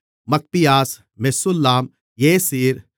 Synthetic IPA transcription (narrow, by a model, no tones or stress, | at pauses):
mɐk̚pijaːs | mesʊlːaːm | jeːsiːɾ